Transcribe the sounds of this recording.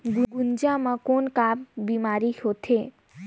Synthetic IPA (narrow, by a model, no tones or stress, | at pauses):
ɡuɡund͡ʒamãkonkabbimaɾihot̪ʰe